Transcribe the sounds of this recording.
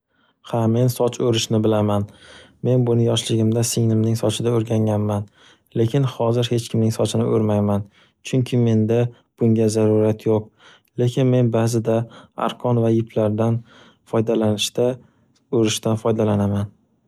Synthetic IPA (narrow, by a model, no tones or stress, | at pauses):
hame̞nsɒt͡ʃʰɵɾɪʃnɪbɪlaman | me̞nbʊnɪjɒʃlɪɡʲɪmd̪asɪŋnɪmnɪŋsɒt͡ʃʰɪd̪aoɾɡʲaŋʲanman | le̞kʲʰɪnhɒzɪɾhe̞t͡ʃkʲʰɪmnɪŋsɒt͡ʃʰɪnɪ̰ʔɵ̰ɾmajman | t͡ʃʰʊŋkʲʰɪme̞nd̪a | b̥ʊŋɡʲazaɾuɾat̪ʰjoq̚ | le̞kʲʰɪnme̞nbaːzɪd̪aa̰ɾqʰɒnvajɪpʰlaɾd̪an | fɒjd̪alanɪʃt̪a | oɾɪʃt̪anfɒjd̪alanaman